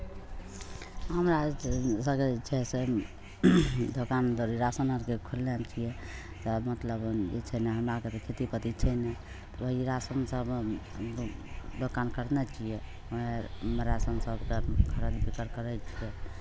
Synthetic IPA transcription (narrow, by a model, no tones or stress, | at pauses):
ɦəmɾasəbked͡ʒɛɦse | d̪ʱokand̪oɾiɾasənəɾkekʰolːɛnt͡ʃʰijɛ | t̪ɔmət̪ləbḛt͡ʃʰəneɦəmɾaket̪ɔkʰit̪ipət̪it͡ʃʰənɛ | t̪ɔbəɾasənsəb | d̪ʱokankəɾnɛt͡ʃʰije | emɾasənsəbkekʰəɾəlbʰikəɾkəɾɛt͡ʃʰijɛ